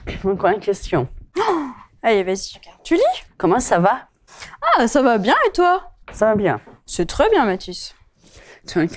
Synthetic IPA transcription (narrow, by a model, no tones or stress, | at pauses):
ɔ̃kwankʲɛst̪jɔ̃ | aevazikt̪ylikɔmɑ̃sava | asavabjɛ̃et̪wasavabjɛ̰̃sɛt̪χɛbjɛ̃mat̪ys | t̪ɛ̃